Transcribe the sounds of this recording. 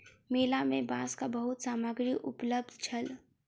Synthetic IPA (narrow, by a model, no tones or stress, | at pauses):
melamebãskabəɦut̪samaɡɾiʔupləb̚d̪ʱt͡ʃʰəl